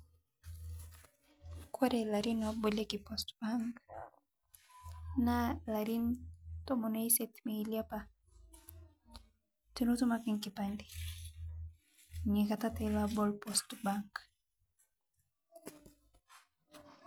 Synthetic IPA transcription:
kɔɾɛlaɾinabulekipɔstbaŋɡ | nalaɾint̪ɔmɔnaisɛt̪meiliapa | tunut̪umakiŋkipandi̥ | ɲikatatɛlabɔlpɔstbaŋɡ

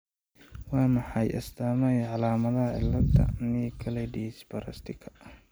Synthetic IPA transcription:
wɑːmɑħɑjʔɐ̰st̪ʰaːmɛjʕɑlaːmɐðɐɦɐʕɪ̰lːɐd̪ʰɐ̰niːkʰɐlɛɖisbɐɾɐ̰st̪ʰɪkʰɐ̥

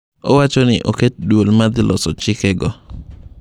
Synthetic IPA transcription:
owat͡ʃonɪʔoket̚dwolmad̪ɪlʔɔsɔt͡ʃɪkɛɡɔ

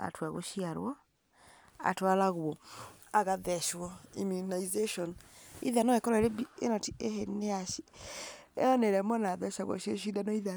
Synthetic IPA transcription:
a̰twaɣo̰ʃiaɾwɔ | a̰twalaɣwɔ | aɣaðɛʃwɔḭmunaizeʃɔnḭðanɔekɔɾaeɾebienɔtieɦeneaʃi | ḛɔneɾɛmɔnaðɛʃaɣwɔ̰ʃeʃ̬idanɔiða

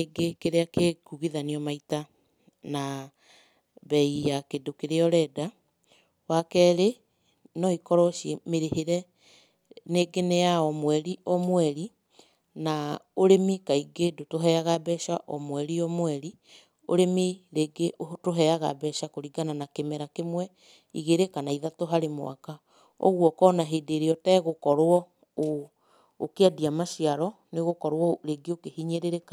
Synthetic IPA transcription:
eɡekeɾeakekuɣiðaniɔmaita | na | bɛijakedokeɾeɔɾɛda | wakɛɾe | nɔikɔɾɔʃemeɾeheɾɛ | neɡenejaɔmwɛɾiʔɔmwɛɾi | naoɾemikaiɡedotoɦɛaɣabɛʃaʔɔmwɛɾiɔmwɛɾi | o̰ɾemiɾeɡeʔotoɦɛaɣa̰bɛʃakoɾiɡananakemɛɾakemwɛ | ḭɣeɾekanaiðatoɦaɾemo̰a̰ka | ɔ̰ɣwɔkɔnaɦedeɾeɔtɛɣokɔɾwɔ | oː | keadiamaʃiaɾɔ | neɣokɔɾwɔɾeɡeokehiɲeɾeɾeka

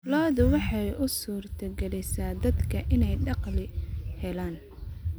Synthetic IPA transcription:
lɔːðʊwɑħɑjʔʊsuːrt̪ʰɐɡɛlɛsaːd̪ɐd̪kʰɐʔɪnɛjɖɑqlɪhɛlaːn

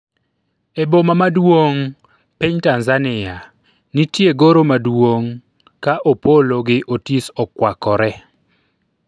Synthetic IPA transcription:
ebomamadwoŋ | pɪɲtanzanɪa | nitjeɡoɾomadwoŋ | kaʔopoloɡɪʔotisɔkwakɔɾɛ

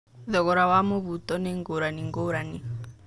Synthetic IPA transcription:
ðɔɣɔɾawamoβut̪ɔnɛŋɡoɾaniŋɡoɾani

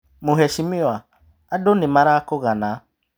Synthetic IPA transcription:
mʊɦɛʃimɪwa | adonɪmaɾakʊɣana

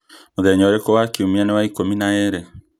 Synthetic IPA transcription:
oðɛɲɔɾekɔwakiomianewaikominaɛɾɛ

